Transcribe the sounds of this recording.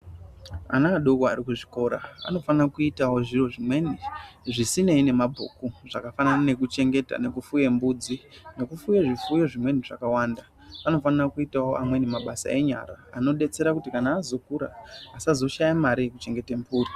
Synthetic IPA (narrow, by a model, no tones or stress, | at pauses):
a̰naːɗoɡʱoa̰ɾikuʐiko̞ːɾa̰a̰no̞fanarakuitawo̞ʐiro̞ʐimwe̞niʐisine̞ine̞mabʱo̰kuʐ̥akafananane̞kut͡ʃe̞ŋɡe̞ta̰ne̞kufuje̞mbuːd͡zine̞kufujeʐifujeʐimwe̞niʐa̰kawaːnda | ano̞fanirakuitawo̞ʔa̰mwe̞nemaɓasa̰e̞ɲa̰ɾaːno̞ɗe̞t͡se̞ɾakutikanaːzo̞kuɾa̰ːsazo̞ʃajamaɾiekut͡ʃe̞ŋɡe̞tempuːri